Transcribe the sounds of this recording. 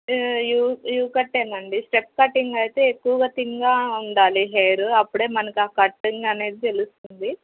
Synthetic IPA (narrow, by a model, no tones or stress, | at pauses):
juːjuːkɐʈːeːnɐɳɖisʈɾep̚kɐʈːiŋɡɐjt̪e̞ːekːuʋɐɡaːt̪iŋɡaːuɳɖaːliɦejɾuɐpːuɽe̞ːmɐnɐkiaːkɐʈːiŋɡɐne̞ːd̪it̪e̞lust̪und̪i